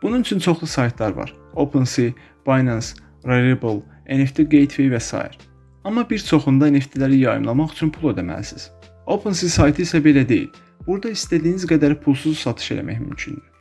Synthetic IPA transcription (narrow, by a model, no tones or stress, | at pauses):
b̥ununyt͡ʃʰynt͡ʃʰo̞χlˠusɑjt̪ʰlˠɑɾvɑ̰ɾopʰensi | b̥ɑjnɑns | ɾeɾebulˠ | eneft̪ʰiɡejt̪ʰvevæsɑ̰ːjḭɾ | ɑmːɑbiɾt͡ʃʰo̞χund̪ɑene̞ft̪ʰilæɾijɑjɯ̰mlˠɑmɑχyt͡ʃʰynpʰulˠed̪æmæ̰lisiz̥ | o̞pʰensisɑjt̪ʰɯisæbe̞læd̪e̞jḭl | b̥uɾd̪ɑist̪æd̪iːnizɡæd̪æɾpʰulˠsuzsɑt̪ʰɯ̥ʃe̞̰læ̰mæçmy̰mcʰynd̪i